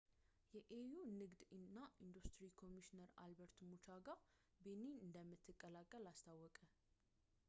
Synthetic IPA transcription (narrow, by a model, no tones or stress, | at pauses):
jɛʔejunɨɡd̪ɨnːaʔind̪ust̪ɾikʰo̞miʃinəɾa̰lbəɾt̪mut͡ʃaɡa | beniɨnd̪əmːɨt̪ʰːɨkʼːəlakʼːəlast̪ʰawːɔkʼə